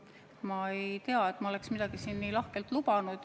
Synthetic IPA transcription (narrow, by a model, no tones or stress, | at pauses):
mɑe̞jt̪e̞ɑe̞t̪ːˑmɑo̞le̞ksmid̪̥ɑɡ̥isiːnːiːlɑhkelt̪lubɑnud̪̥